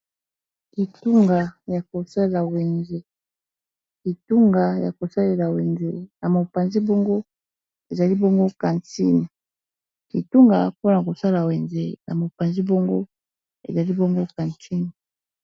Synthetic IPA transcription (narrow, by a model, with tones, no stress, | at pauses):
ki˨tu˦ŋɡa˨ja˨ko˨sa˦e˨la˨we˨nze˦ | ki˨tu˦ŋɡa˨ja̰˨ko˨sa˦le˨la˨we˨nze˦na˨mo˨pa˨nzi˦bɔ˦ŋɡo˦ | e˨za˨li˦bɔ˦ŋɡo˦ka˨nti˦ni˨ | ki˨tu˦ŋɡa˨po˦na˨ko˨sa˦la˨we˨nzḛ˦nʔa̰˨mo˨pa˨nzi˦bɔ˦ŋɡo˦ | ḛ˨za˨li˦bɔ˦ŋɡo˦ka˨ntʰi˦ni˨